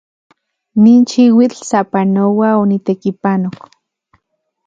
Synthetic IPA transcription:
niːnʃiwit͡ɬsapanowaonit̪ekipanok

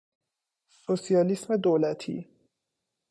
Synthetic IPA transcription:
sosijɒːlismed̪olæt̪ʰḭː

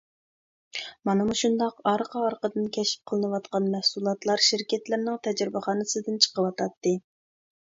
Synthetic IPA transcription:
mɑnɨmuʃund̪ɑqɑɾqʰɑɑɾqəd̪ɨnkʲʰɛʃɪ̥p̚qʰəlˠɨnɨwɑt̪qɑnmɛhsulˠɑt̪lˠɑɾʃiɾkʲɛt̪lɪɾnɪŋt̪ʰɛd͡ʒɾɪbɪχɑːnɨsɨd̪ɨnt͡ʃʰə̥qəwɑt̪ʰɑt̪ːɨ

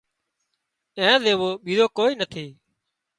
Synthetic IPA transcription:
ẽːzeːʋoːɓiːzoːkoːiːnət̪ʰiː

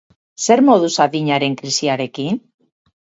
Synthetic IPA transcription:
se̞ɾmo̞ðusaðiɲaɾe̞ŋkɾisiaɾe̞kin

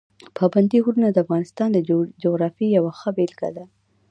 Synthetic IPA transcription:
pʰɑband̪iɦuɾunad̪əafɣɑnɪst̪ɑnd̪əd͡ʒoɣɾɑfijawaxəbelɡa̰d̪a

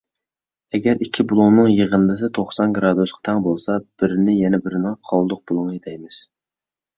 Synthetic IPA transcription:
ɛɡʲɛɾʔikʲʰibulˠʊŋnɨŋjəʁənd̪ɨsɨt̪ʰoχsɑnɡɾɑd̪usqɑ̥t̪ʰɛŋbolˠsɑb̥ɪɾnɪjɛnɛbɪɾɪnɪŋqʰɑlˠd̪ʊq̚b̥ulˠʊŋed̪ɛjmɪz̥

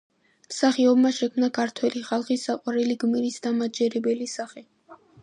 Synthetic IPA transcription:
msaχiɔbmaʃɛkʰmnakʰaɾt̪ʰwɛliχalˠχisːaqʼwaɾɛliɡmiɾisd̪amad͡ʒɛɾɛbɛlisaχɛ

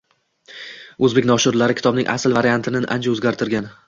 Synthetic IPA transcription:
ɵzbe̞kʲnɒʃɪɾlaɾɪkʰʲɪ̥t̪ʰɒbnɪŋʔa̰sɪlvaɾijant̪ʰɪnɪnʔa̰nt͡ʃʰaɵzɡʲaɾt̪ʰɪɾɡʲan

